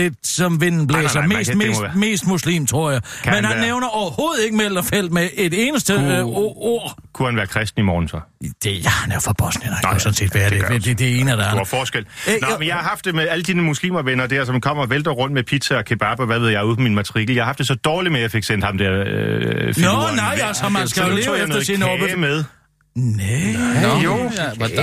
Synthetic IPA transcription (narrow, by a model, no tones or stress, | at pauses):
le̝d̥sɒ̽mʋen̰n̩b̥lesɒmḛːsmeme̝̰ːsd̥muslḭːmt͡sʰʁo̝ɐ̰jɑ̈ɪmænhænːeʊnɐʔɒʊɐho̝ːð̞̩ˠe̝ɡ̥əmelɐfel̰d̥meed̥e̝ːnəsd̥əoɐ̰ | kʰuhænʋæːɐkʰʁɛsd̥n̩imɒ̰ːnn̩sɒ̽d̥ejɑhænofɒb̥ɒ̽snənaæsɔ̽n̩se̝̰ːd̥ʋædeed̥ed̥ee̝̰ːnəæd̥æfɒːsɡ̥el̰nɒmenjɑ̈ɪhɑ̈ɦɑ̈fd̥e̝meæləd̥iːnəmuslḭːmɐʋenɐd̥æɐsɒ̽mkʰɒ̽m̰ɐʋeld̥ɐʁɔ̽n̰d̥mepʰi̥sʰæɒ̽kʰe̝b̥ɑb̥ɒʋæʋe̝ð̞̰ˠjɑɪuðˠfɒminmæt͡sʰɐʁiɡ̥l̩jɑhhɑ̈fd̥e̝sɒ̽d̥ɒːlimejɑ̈ɪfe̝ɡ̥sen̰d̥hɑ̈md̥ɛɐ̰ | fnaɪsɒmsʰo̰jnoðˠsnmeðˠ | ne | o